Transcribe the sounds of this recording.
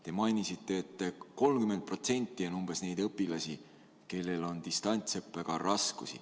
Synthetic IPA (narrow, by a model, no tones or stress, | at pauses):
t̪e̞mɑjnisit̪ːˑe̞ːt̪ˑːeko̞lmkymed̪̚pro̞t̪se̞nʲt̪ːˑio̞numb̥e̞sne̞jd̪̥ɤpːˑilɑsʲi | ke̞lːe̞lo̞nd̪̥ist̪ɑnʲt̪sɤpːˑeɡ̥ɑɾɑskusḭ